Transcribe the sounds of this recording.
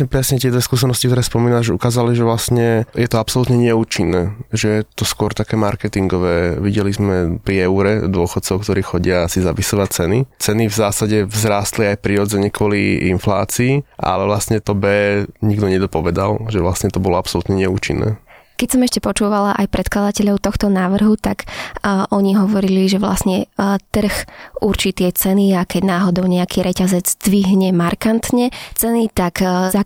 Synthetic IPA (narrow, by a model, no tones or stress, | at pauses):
ɲɛpɾɛsɲɛt̪ɪɛd̪ʋɛskuːs̬ɛnɔscikt̪ɔɾɛːspɔmiːnaʒɛukaːzaliʒɛʋlasɲɛjɛt̪ɔapsɔlut̪ɲɛɲɛuːt͡ʃinːɛːʒɛjɛt̪ɔskʊɔɾt̪akɛːmaɾkɛt̪iŋɡɔʋɛːʋiɟɛlizmɛpɾiɛuɾɛd̪ʊɔxɔt̪̚t͡sɔʊkt̪ɔɾiːxɔɟɪaasizapisɔʋat͡sɛnit͡sɛnivzaːsaɟɛvzɾaːst̪liajpɾiɾɔd͡zɛɲɛkʋɔliinflaːt͡siːʔa̰lɛʋlast̪ɲɛt̪ɔbɛːɲiɡd̪ɔɲɛd̪ɔpɔʋɛd̪alʒɛʋlasɲɛt̪ɔbɔlɔapsɔlut̪ɲɛɲɛuːt͡ʃinːɛ̰ː | kɛcsɔmɛʃcɛpɔt͡ʃuːʋalaʔajpɾɛt̪klad̪acɛʎɔʊt̪ɔxt̪ɔnaːʋr̩ɦut̪akʔɔɲiɦɔʋɔɾiliʒɛʋla̰sɲɛt̪r̩xuɾt͡ʃiːt̪ɪɛt͡sɛniakɛɟnaːɦɔd̪ɔʊɲɛakʰiːɾʔɛcazɛd͡zd̪ʋiɦɲɛmaɾkant̪ɲɛt͡sɛnit̪akza